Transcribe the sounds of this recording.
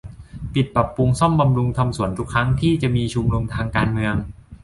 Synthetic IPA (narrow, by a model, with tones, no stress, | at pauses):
pi˨˩t̪̚pɾa˨˩pːu˧ŋsɔ˥˩mba˧mɾu˧ŋt̪ʰa˧msu˩˦ənt̪ʰu˦˥kʰːɾa˦˥ŋt̪ʰiː˥˩t͡ɕa˨˩ʔmiː˧t͡ɕʰu˧mɾu˧mt̪ʰaː˧ŋkaː˧nmɯ˧əŋ